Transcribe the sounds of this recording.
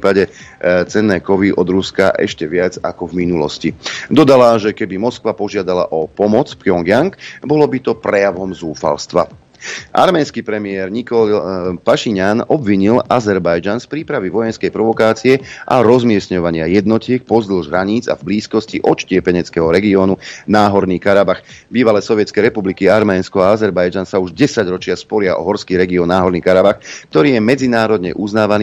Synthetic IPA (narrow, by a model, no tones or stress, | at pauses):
iːpaɟɛ | t͡sɛnːɛːkɔʋiʔɔd̪ɾuskaʔɛ̰ʃcɛʋɪad͡za̰kɔvminulɔ̰scid̪ɔd̪alaʒɛkɛbimɔskʋapɔʒɪad̪ala̰ʔɔpɔmɔt͡spjɔŋɡjaŋkbɔlɔbit̪ɔpɾɛjaʋɔmzuːfa̰lst̪ʋa̰ | ʔa̰ɾmɛːnskipɾɛmɪɛɾɲikɔpaʃiɲanɔbʋiɲilazɛɾbajd͡ʒanspɾiːpɾaʋiʋɔjɛnskɛjpɾɔʋɔkaːt͡siɛʔa̰ɾɔzmɪɛsɲɔʋaɲɪajɛd̪nɔcɪɛk̚pɔzd̪l̩ʒɦɾaɲiːd͡za̰vbliːskɔsciʔɔt͡ʃcɪɛpɛɲɛt͡skɛɦɔɾɛɡiɔːnunaːɦɔɾniːkaɾabaxbiːʋalɛsɔʋɪɛt͡skɛjɾɛpublikiaɾmɛːnskɔaazɛɾbajd͡ʒansauʒɟɛsaɟɾɔt͡ʃɪaspɔɾɪaʔɔ̰ɦɔɾskiːɾɛɡiɔnːaːɦɔɾniːkaɾabaxkt̪ɔɾiːjɛmɛd͡zinaːɾɔd̪ɲɛ̰ʔuznaːʋaniː